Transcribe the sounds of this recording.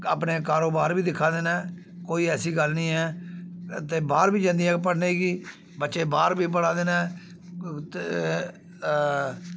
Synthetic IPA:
aːpneːkaːɾoːbaːɾbiːd̪ɪkʰːãːd̪eːnaː | koːiːɛːsiːɡəlnĩːɛː | t̪eːbaːɾbiːd͡ʒãːnd̪ijãːp̬əɽneːiɡiː | bətːʃeːbaːɾbiːp̬əɽãːd̪eːnɛː

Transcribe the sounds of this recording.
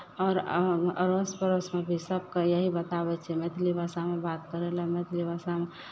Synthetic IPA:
ɔːɾə̰ɾospəɾosmẽbʱisəb̚kejəɦibət̪abɛt͡ʃʰɛmet̪ʰlibʱasamebat̪̚kəɾelemet̪ʰlibasame

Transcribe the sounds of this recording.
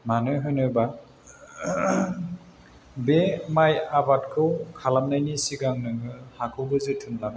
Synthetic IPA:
manɯɦɯjnɯba | bemajabatkʰɯwkʰalamnajnisiɡaŋnɯŋɯhakʰɯwbɯzetʰɯnlaŋa

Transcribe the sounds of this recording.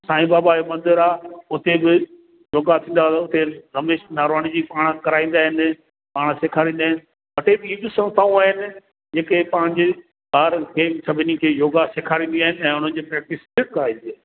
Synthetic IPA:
sãːĩbaːbajomɐ̃nd̪ɪɾaːʊt̪ebɪ | joːɡat̪ʰĩːnd̪at̪ʊt̪eɾɐmeːʃnaːɾʋaːɽ̃id͡ʑiːpaːɽ̃kɐɾaːĩːnd̪aːɦɪn | paːɽ̃seːkʰaːɾĩːnd̪aːɦɪnɪ | ʋɐʈʰebɪiːbɪsɐ̃nst̪ʰaːũaːɦɪnɪ̆ | d͡ʑeːkepãːɪ̃ɲd͡ʑe | baːɾkʰeːsɐbʱɪnikʰeːjoːɡaseːkʰaːɾĩːnd̪iaːɦɪnɪɛ̃ːʊn̤ənɪ̆d͡ʑeːpɾɛːk̚ʈɪsbɪʈ̚kɐɾaːĩːnd̪iaː

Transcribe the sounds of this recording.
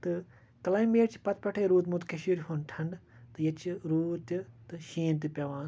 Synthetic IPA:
t̪ɨ | kɐlaːjmeːʈt͡ʃʰi̥pɐt̪̚pɐʈʰeːɾuːt̪mut̪kɐʃiːɾɦunʈʰɐɳɖt̪ɨjɐt͡ʃʰiɾuːt̪it̪ɨʃiːnt̪̬ipʲɐʋaːn

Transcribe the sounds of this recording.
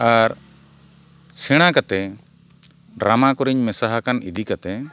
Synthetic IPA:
aɾ | sɛɽ̃akat̪ɛ | ɖɾamakɔɾiɲmɛsaɦakanḭd̪ʱikat̪ɛ

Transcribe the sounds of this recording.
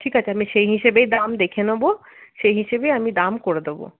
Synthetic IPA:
ʈʰikat͡ɕʰeamiʃejɦiʃebejd̪amd̪ekʰenobo | ʃejɦiʃebejamid̪amkoɽed̪ebo̰

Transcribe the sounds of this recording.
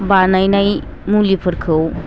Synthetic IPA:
banajnaj | mulipʰɯɾkʰɯw

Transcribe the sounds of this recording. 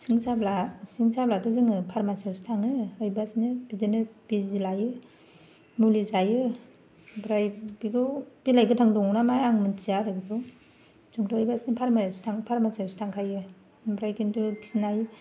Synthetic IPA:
siŋsablasiŋsablatɔzɯŋɯpʰaɾmasewsi̥tʰaŋɯɯjbasnɯbidɯnɯb̥izilajɯ | mulizajɯ | bɾajbiɡɯb̥ilajɡɯtʰaŋdɔŋnamajaŋmɯnt͡ʃiaɾɯɡitɯw | zɯŋtɔːjbasinipʰaɾmajastʰaŋpʰaɾmasawsi̥tʰaŋkʰajɯ | bɾajkintusinajɯ

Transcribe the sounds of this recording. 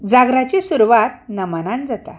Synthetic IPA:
d͡zaɡɾat͡ɕesuɾuʋat̪̚nəmənãnd͡zat̪a

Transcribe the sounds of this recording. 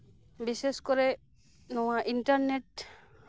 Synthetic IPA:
biseskɔɹɛ | nɔwaʔinʈaɹnet

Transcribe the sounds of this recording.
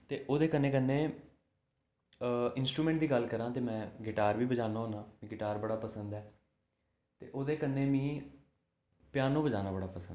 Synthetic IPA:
t̪eːʔoːd̪eːkənːeːkənːẽː | ɪnsʈɾuːmɛ̃ɳʈ̚d̪iːɡəlkəɾãːt̪eːmɛ̃ːɡɪʈaːɾʋiːbəd͡ʒaːnaːɦoːnãːmĩːɡɪʈaːɾbəɽaːpəsənd̪ɛː | t̪ḛːʔoːd̪eːkənːẽːmĩː | pjaːnõːbəd͡ʒaːnaːbəɽaːpəsənd̪

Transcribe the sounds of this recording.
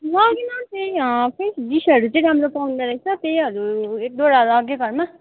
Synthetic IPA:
ɦʌ̃kinʌt̪ejʌpʰesd̪isʌɾut͡sʌĩɾamɾopaw̃nd̪aɾʌt͡sʰʌt̪ejɦʌɾuek̚d̪oɾalʌɡeɡʱʌɾma

